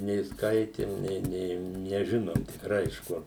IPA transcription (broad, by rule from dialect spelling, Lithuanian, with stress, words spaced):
nʲeː ˈskɐɪtʲɪm ˈnʲeː ˈnʲeː nʲɛˈʒʲɪnoːm tʲɪkˈrɐɪ ɪʃ ˈkʊr